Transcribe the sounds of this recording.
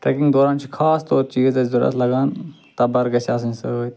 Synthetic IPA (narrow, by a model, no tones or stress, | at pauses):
ʈɾeːkɪ̃ŋɡd̪oːɾaːnt͡ʃʰikʰaːst̪oːɾt͡ʃiːzd̪ɐzʊɾɐ̰slɐɡaːn | t̪ɐbɐɾɡɐsaːsə̃nsəoːt̪